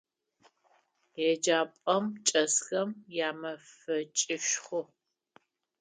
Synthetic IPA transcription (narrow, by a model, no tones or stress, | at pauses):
ɛd͡ʒaːpʼɐmt͡ʃʼɐsxɐmjaːmɐfɐt͡ʃʼɪʃχʷʊ